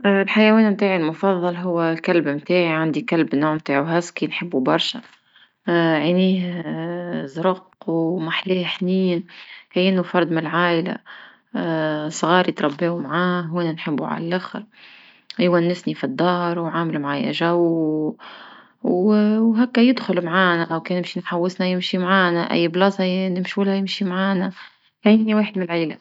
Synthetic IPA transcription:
lħajæwɛːnmt̪aːʕilmʊfɑðˤːɑlɦʊwːkælbmt̪aːʕiʕand̪ikalbnoːʕmt̪aːʕuɦæskiːnħəbːubɑɾˤʃæ | ʕiniːh | zɾʊqwmaħleːħniːnkæjːɪnːufɑɾˤd̪mɪlʕaːʔɪla̰ | sˤɣɑːɾjt̪ɾˤɑbːeːmʕaːɦweːnænħɪbːuʕa̰lælʔaxɾ | ʔɪjwænːɪsnifid̪ːɑːɾˤwʕaːmɪlmʕaːjæ̰ʒaw | wwɦækːæjɪd̪xʊlmʕaːnɛwkɛnɪmʃinħawːɪsnæjɪmʃimʕaːnæʔæ̰jːblɑːsɑnɪmʃuːlhæjɪmʃimʕaːnæ | kæjɪniweːħəd̪̚mɪnlʕaːla

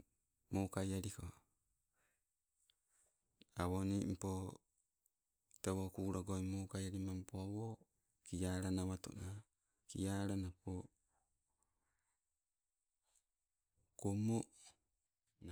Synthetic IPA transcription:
mokajaɾiko | awonimpo | teβokuɾaɡoimokajaɾimampoawo | kijaːɾanaβato̰na | kḭjaɾanapo | komo | na

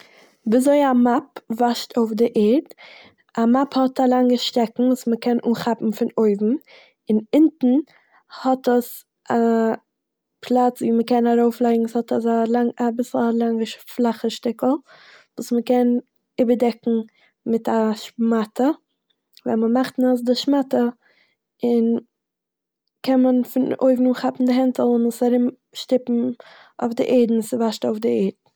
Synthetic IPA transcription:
bizoɪamapvaʃtʰoʊfdɪʔɛːɾd | amaphɔtʰalˠaŋɡəʃtɛkŋ̩vuːsməkɛnʔuːχapm̩fɪnoɪvm̩ | ɪnɪntn̩ | hɔtəs | a | pʰlˠat͡sviːməkɛnaɾoʊflˠaɪɡŋ̩shɔtasalaŋabɪsl̩ˠlˠaŋəʃflˠaχəʃtɪkl̩ˠ | vuːsməkɛn | ɪbədɛkŋ̩ | mɪtaʃmatʰə | vɛ̰məmaχtnas̬dɪʃmatə | ɪn | kʰɛnmənfɪno̰ɪɡnuːχapm̩dɪɦɛntl̩ˠʊnɪsaɾɪm | ʃtɪpm̩ | o̰ʊfdɪ̰ʔeɪdn̩sɪvaʃtoʊfdɪeːdn̩

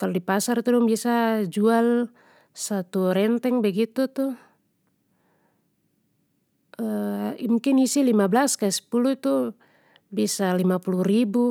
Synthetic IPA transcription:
kalɔdipasart̪udɔŋbiasad͡ʒual | sat̪uɾɛnt̪ɛŋbɛɡit̪ut̪u | əmuŋkinisilimablaskasɛ̥pulut̪u | biasalimapuluribu

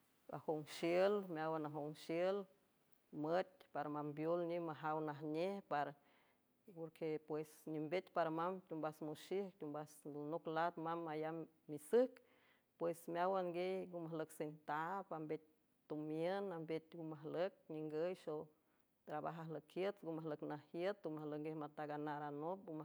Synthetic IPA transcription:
a̰hoŋʃjəlmʲawanaɦoŋʃjəl | mət̪̚ʲpaɾamambjolɲimaɦawnaɦɲehpaɾ | poɾkʰepwesɲimbet̪paɾamamt̪ʲumbasmoʃihkt̪ʲumbasd̪onoklat̪mamajam | misɨk | pwesmjawaŋɡejɡumahləksent̪apambet̪̚ʲ | t̪umjənambet̪ʲɡumaɦlək̚ɲiŋɡəjʃo | t̪ɾabaɦaɦləkʰhjət̪ɡumahləknahjət̪̚umahləkŋɡehmat̪aɡanaɾanop̚ɡuma

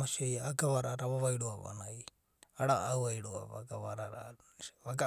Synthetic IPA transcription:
asiɔjaaɡaβaɾaɾaβaβajɾuaβa̰naj | aɾaawajɾua̰βa̰ɡaβaɾaɾa | βaɡa

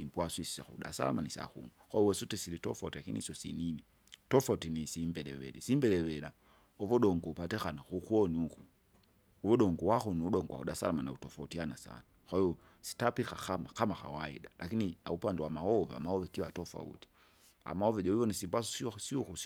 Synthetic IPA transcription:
simbwaswisi̥saxṵɗa̰sa̰la̰manisa̰xṵŋakwaiɔwɛsutɛsilitɔfautilakinḭsɔsinini | tɔfautinisimbɛɾɛwɛ̰lɛsimbɛɾɛwɛɾa | ɔvɔɗɔŋɡɔupatɛxanaxukwɔniukuː | vɔɗɔŋɡɔwaxɔniuɗɔŋɡɔwa̰uɗasa̰lamanautɔfautianasa̰nakwahiɔ | si̥tapixaxamakamaxa̰waḭɗalʔakinina̰upandɛwamahɔva̰mahɔvɛkiwatɔfa̰ṵti̥ | a̰mahɔvɛd͡ʒɔivɔnisimbwas̬ɔssiɔu

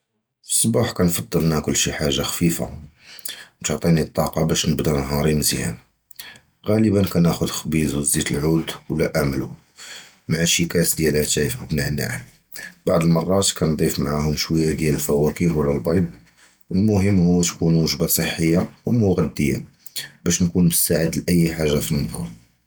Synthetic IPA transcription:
fi̥sˤːbɑħkænfɑd̪ˤːəlnækʊlːʃiħaʒːaxfifa̰ | t̪ʊʕt̪ˤinit̪ˤːɑqɑbæʃnəbd̪ɑnɦɑɾˤimzihæ̰n | ɣæləbənkænæxʊd̪xbizwzit̪əlʕud̪wlːæʔæmlu | mʕaʃikæsd̪jælʕt̪æjfəbnaʕna̰ | b̥aʕd̪əlmɑrˤːɑt̪kænd̪ˤifmʕahʊmʃwəjːad̪jæləlfæwækihwəlːælbɑjb̚ | wəlmʊɦəmːhʊwːt̪kunwəʒbasˤəħːəjːawmʊɣæd̪ːəjːa̰ | bæʃnkunmʊsaʕəd̪lʔəjːħaʒːafimd̪ɑ̰

